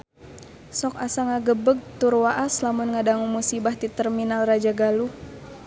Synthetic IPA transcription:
sɔkasaŋaɡəbəɡ̚t̪urwaʔaslamunŋadaŋumusibaht̪it̪ərminalrad͡ʒaɡalu

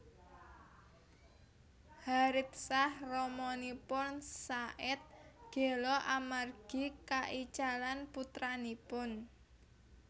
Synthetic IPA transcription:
haɾɪt̪̚sahrɔmɔnipʊnsaʔɪt̪̚ɡ̥e̤lɔʔamarɡ̥i̤kaʔit͡ʃalanput̪ɾanipʊn

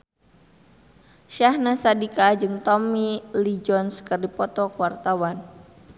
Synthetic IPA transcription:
ʃahnasadikad͡ʒɨŋt̪ɔmilid͡ʒɔnskɨrdipɔt̪ɔkwart̪awan

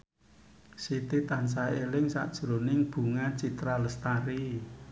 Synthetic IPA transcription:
sit̪it̪ans̬aelɪŋsa̰ʔd̥ʒ̥ɾonɪŋb̥ṳŋat͡ʃit̪ɾaləst̪aɾi

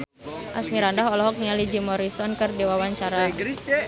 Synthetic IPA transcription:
ʔasmiɾandaɦɔlɔɦɔk̚nialid͡ʒimɔɾisɔnkərdewawaɲt͡ʃaɾaɾi

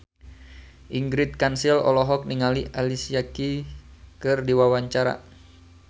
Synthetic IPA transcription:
ʔiŋɡɾit̪̚kansilɔ̰lɔɦɔk̚niŋaliʔalisiakikɨrdiwawaɲt͡ʃaɾa̰

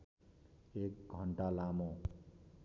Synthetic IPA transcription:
ek̚ɡʱʌɳʈalamo

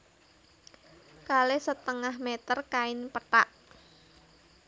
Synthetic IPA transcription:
kalesət̪əŋahmet̪ərkaɪnpət̪aʔ

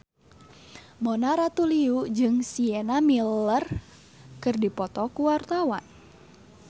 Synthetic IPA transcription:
monaɾat̪uliud͡ʒɨŋsiɛnamilər | kɨrdipɔt̪ɔkuwart̪awan

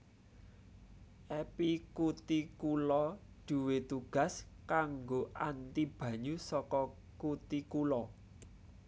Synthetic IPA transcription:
ʔɛpikut̪ikulɔ | ɖ̪̥ṳwet̪uɡ̥ä̤s | kaŋɡoʔant̪ib̥ä̤ɲusɔkɔ | kut̪ikulɔ

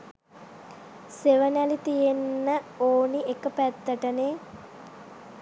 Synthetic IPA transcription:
seʋənælit̪ijenːəoːniekəpæt̪ːəʈəne

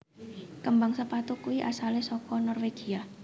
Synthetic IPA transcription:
kəmbaŋsəpat̪ukuiʔasalesɔkɔnɔrweɡ̥ia

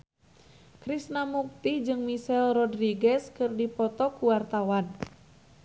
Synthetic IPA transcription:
kɾisnamuk̚t̪id͡ʒɨŋmisɛlrɔdriɡɛskɨrdipɔt̪ɔkuwart̪awan

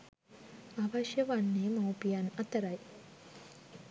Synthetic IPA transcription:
aʋɐʃjəʋanːeːmɐwpijanɐt̪ɐɾɐj

